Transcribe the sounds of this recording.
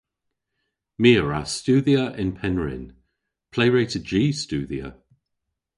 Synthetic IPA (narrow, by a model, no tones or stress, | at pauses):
miːəɹa̰stuːðiəʔɪ̃npʰɛnɹɪ̰n | pʰl̥eɪɹeːtəd͡ʒiːstuːðiə̰